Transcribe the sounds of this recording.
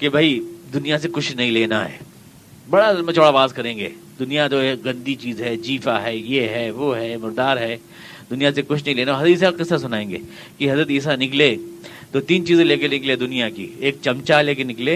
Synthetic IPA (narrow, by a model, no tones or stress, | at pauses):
kebʱaid̪ʊnijasekʊt͡ʃʰnɐɦĩleːna̰ɦɛ̰ː | bɐɽaɐmɐt͡ʃoːɽaʋaːzkɐɾẽːŋɡḛː | d̪ʊnijat̪oeɡɐ̃nd̪it͡ʃiːzɦɛd͡ʒiːfaɦɛjeɦɛʋoɦɛmʊɾd̪aːɾɦɛː | d̪ʊnijasekʊt͡ʃʰnɐɦĩleːnaɦɐzɾət̪iːs̬aqɪsːasʊnaːẽːŋɡḛː | kiɦɐzɾət̪iːs̬anɪkle | t̪ot̪iːnt͡ʃiːzeleːkenɪkled̪ʊnijakḭeːk̚t͡ʃɐmt͡ʃaleːkenɪkleː